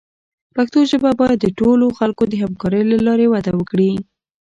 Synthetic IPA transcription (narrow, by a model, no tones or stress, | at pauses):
paxt̪oʒəbabɑjad̪ːəʈoloxalkod̪əɦamkɑɾəjlalɑɾewad̪awəkɽi